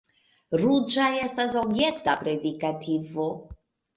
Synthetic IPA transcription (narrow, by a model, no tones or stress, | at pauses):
ɾud͡ʒajestasobjekt̪apɾed̪ikat̪ʰivo